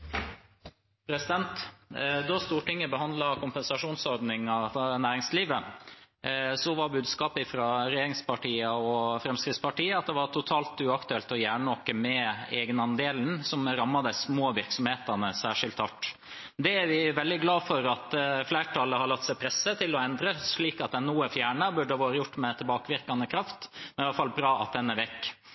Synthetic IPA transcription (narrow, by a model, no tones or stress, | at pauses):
pʰɾɛsɪd̪ɛnt̪d̪ɔst̪uːʈɪŋːəbəhɑnd̪lɑkʰʊmpəɛnsɑʂuːnsɔɾd̪nɪŋɑfnæːɾɪŋsliːʋə | sɔʋɑɾbʉːd̪skɑːpɪfɾɑɾɛjeːɾɪŋspɑʈiːəɔfɾɛmskɾɪt̪spɑʈiːəɑt̪̚d̪ɛʋɑɾʈ̪ʰʊt̪ʰɑːlt̪ʉɑkt̪ʉɛlt̪ɔjæːɳəɔkːəmɛeːɡənɑnd̪eːln̩sɔmɾɑmːɑd̪əsmoːʋɪɾksɔmheːt̪ɑnəsæːʂɪlt̪hɑʈː | d̪ɛæɾʋɪʋɛld̪ɪɡlɑːfɔɾɑt̪flæːʈʰɑlːəhɑɾɭɑkt̪sɛɪpʰɾɛsːət̪ʰɪlːɔɛnd̪ɾəsɭiːkɑt̪̚d̪ɛnuːəfjæːɳəbʉɖəʋoːɾəjʊʈːmɛt̪ʰɪlbɑːkəʋɪɾkɑnəkʰɾɑft̪mɛnɪɑlːəfɑlbɾɑːɑt̪̚d̪ɛnːɛʋɛkː